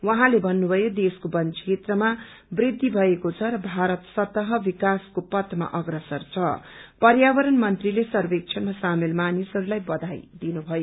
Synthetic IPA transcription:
wʌɦãlebʱʌnːubʱʌjod̪eskobʌnt͡sʰet̪rʌma | brid̪ʱːibʱʌekot͡sʰʌɾʌbʱaɾʌt̪sʌt̪ʌɦʌbikaskopʌt̪ma̰ʔʌɡrʌsʌrt͡sʰʌ̰pʌrjabʌɾʌnmʌnt̪rilesʌrbek̚t͡sʰʌnmasamelmanisʌɾulajbʌd̪ʱajd̪inubʱʌjo

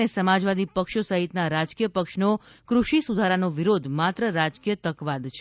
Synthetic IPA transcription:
esəmad͡ʒʋad̪ipəkʃosəɦit̪naɾad͡ʒkijəpəkʃnokɾuʃisud̪ʱaɾanoʋiɾod̪ʱmat̪ɾəɾad͡ʒkijət̪əkʋad̪t͡ʃʰ

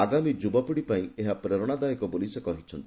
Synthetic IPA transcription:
aɡamid͡ʒubapiɽipaĩeɦapɾeɾɔɽ̃ad̪aekɔbolisekɔɦit͡ʃʰɔnt̪i̥

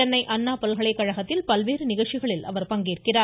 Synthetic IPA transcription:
ɐnːɐɪʔɐnːaːpɐlɣɐɭɐɪkːɐɻɐɣɐt̪ːɪlpɐlʋeːɾɯnɪɣɐɭt͡ʃːɪɣɐɭɪlɐ̰ʋɐɾpɐŋɡiːrkɪraː

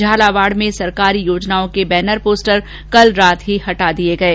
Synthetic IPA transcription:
d͡ʒʱaːlaʋaːɽmẽsɐɾkaːɾijoːd͡ʒnaːõkebɛːnəɾpoːsʈəɾ | kɐlɾaːt̪ɦihɐʈad̪ieɡɐeː

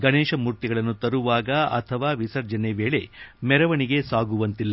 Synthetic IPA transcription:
ɡɐɳeːʃɐmuɾt̪iɡɐɭɐnːut̪ɐɾuʋaːɡɐɐ̰t̪ʰɐʋaːʋisɐɾd͡ʒɐneʋeːɭe̞mɛɾɐʋɐɳiɡe̞saːɡuʋɐnt̪ilːɐ

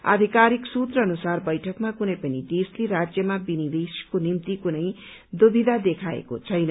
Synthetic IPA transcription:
a̰d̪ʱikaɾiksut̪rʌːnusarbʌjʈʰʌkmakunʌjpʌnid̪esleɾad͡zjʌmabinid̪eskonimt̪ikunʌj | d̪obʱid̪ʱad̪ekʰaḛko̰t͡sʰʌjnʌ

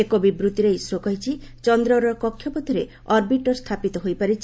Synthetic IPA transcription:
ekobibɾut̪iɾejsɾokɔɦit͡ʃʰi | t͡ʃɔnd̪ɾɔɾɔkɔkʰːjɔpɔt̪ʰiɾe | ɔɾbiʈɔɾst̪ʰapit̪ɔɦojpaɾit͡ʃʰi

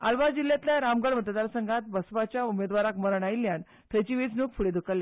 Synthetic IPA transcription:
alʋad͡ʑilːjat̪ljaɾamɡəɽmət̪d̪aɾsəŋɡʱat̪̚bəsʋat͡ɕjaumed̪ʋaɾakməɾəɳajilːjan | t̪ʰət͡ɕiʋit͡snukfʰuɽed̪ʱukəlːa

